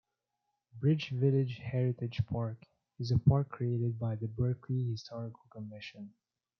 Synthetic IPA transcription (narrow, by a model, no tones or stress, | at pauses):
bɹɪt͡ʃvɪlˠɪd͡ʒhɛɹɪtɨ̥d͡ʒ̥pʰɑɹk | ɨzəpʰɑɹkʰːɹ̥ieɪɾɨd̚baɪðəbɜ˞kʰlihɪstʰɔɹɪkl̩ˠkʰəmɪʃɨ̃n